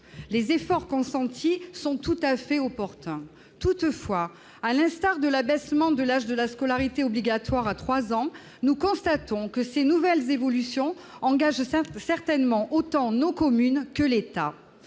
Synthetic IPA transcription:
lezefɔʁkɔ̃sɑ̃t̪ʰisɔ̃t̪ut̪afɛɔpɔʁt̪ɛ̃ | t̪ut̪fwa | alɛ̃st̪aʁd̪əlabɛsmɑ̃d̪əlaʒd̪əlaskɔlaʁit̪eɔbliɡat̪waʁat̪χwazɑ̃ | nukɔ̃st̪at̪ɔ̃kəsenuvɛlzevɔlysjɔ̃ | ɑ̃ɡaʒsɛʁt̪ɛnmɑ̃ʔot̪ɑ̃nokɔmynkəlet̪a

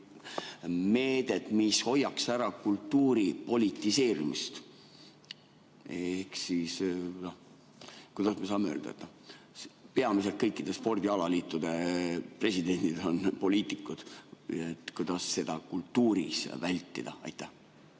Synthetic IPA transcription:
me̞ːd̪̥e̞t̪ˑmisho̞jːɑksæɾɑkult̪ːuːɾipo̞lʲit̪ːˑise̞ːɾimist̪ | ehksisno | kujd̪ɑsmesɑːmeøːld̪ɑ̰ḛt̪ːˑ | spe̞ɑmis̬e̞lt̪̚kɤjkːˑid̪e̞spo̞rd̪̥iɑlɑliːt̪ːˑud̪̥e̞pre̞sid̪̥e̞nʲd̪̥id̪̥o̞npo̞lʲiːt̪ˑikːˑud̪̥et̪ːˑkujd̪̥ɑsːe̞d̪̥ɑkult̪ːuːɾḭsvælʲt̪ːˑḭd̪̥ɑ̰ɑ̰jt̪ːˑæh

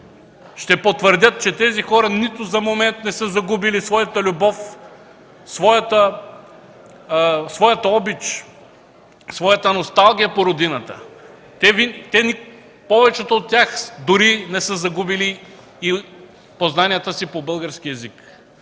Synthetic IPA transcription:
ʃt̪ɛpot̪vəɾd̪ʲət̪̚t͡ʃɛt̪ɛzixɔɾɐnit̪ʊzɐmomɛnt̪nɛsəzɐɡubilisvɔjɐt̪əlʲubɔf | svɔjɐt̪ə | svɔjɐt̪ɐɔbit͡ʃ | svɔjət̪ɐnost̪alˠɡʲijəpoɾod̪inɐt̪ə̰ | t̪ɛvit̪ɛni | pɔvɛt͡ʃɛt̪oot̪̚ːʲjaxd̪ʊɾinɛsəzɐɡubiliː | poznanijət̪əsipobɤlˠɡəɾskʲiɛzik

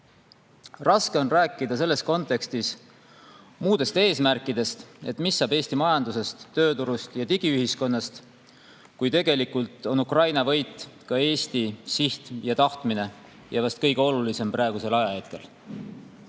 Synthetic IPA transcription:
rɑske̞o̞nræːkːˑid̪̥ɑse̞lːe̞sko̞nt̪ːˑe̞kst̪is | muːd̪e̞st̪e̞ːsmærkːˑid̪e̞st̪e̞t̪ːˑmisːɑbe̞ːsʲt̪imɑjɑnd̪̥use̞st̪ːø̞ːt̪uɾust̪jɑt̪iɡ̥iyɦisko̞nːɑst̪ | kujt̪e̞ɡ̥e̞likult̪ˑo̞nukrɑjnɑvɤjt̪ˑkɑe̞ːsʲt̪isiht̪jɑt̪ɑht̪mine̞ | jɑvɑst̪̚kɤ̞jɡ̥e̞o̞lulise̞mpɾɑˑe̞ɡ̥use̞lɑjɑhet̪ke̞̰l

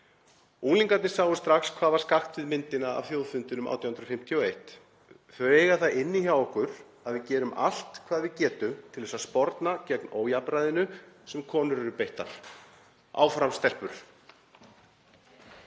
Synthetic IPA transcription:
uːliŋkat̪nɪsaːwʏst̪ɾaxskʰvaːðvaɾ̥skaxt̪vɪðmɪnt̪ɪnaa̰vθjoːwðfʏnt̪ɪnʏma̰wt̪jawhʏnɾɔfɪm̥t̪ʰjɔejht̪ | θœɥɾeːjɣaθaðɪnːiçaːwɔhkʏɾ̥ | aðvɪðcɛːɾʏmʔa̰l̥t̪kʰv̥aːðvɪðcɛːt̪ʏmt̪ʰɪlvɛsaspɔɾt̪nacɛknoːwjapɾajðɪnʏsɛmkʰɔːnʏɾɾʏpejht̪a̰ɾ̥ | a̰wfɾamst̪ɛr̥pʏɾ̥

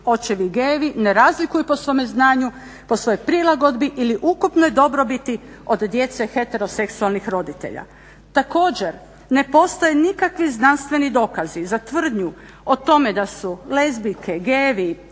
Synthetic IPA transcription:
o̞t͡ɕeʋiɡeːʋineɾaːzlikujupo̞sʋo̞meznaːɲu | po̞sʋo̞jojpɾilˠaɡo̞d̪biʔiliʔukupnojd̪o̞bɾo̞bit̪i | o̞d̪ːje̞t̪sexe̞t̪e̞ɾo̞se̞ksualnixɾo̞d̪it̪e̞̰ʎa̰ | t̪ako̞ːd͡ʑe̞ɾ | ne̞po̞st̪ojenikakʋiznanst̪ʋe̞nid̪o̞ːkazizat̪ʋr̩d̪ɲu | ot̪o̞me̞d̪asulezbikʰeɡeːʋi

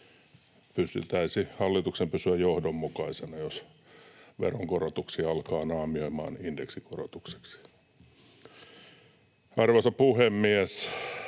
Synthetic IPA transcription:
pyst̪yt̪æisihɑlːit̪uksempysyæjjohdomːukɑisenɑjos | ʋḛroŋkorot̪uksiːɑlkɑːnɑːmioimɑ̰ːnindeksikoro̰t̪ukse̥ksi̥ | ɑrʋɑsɑpuhemːiæs

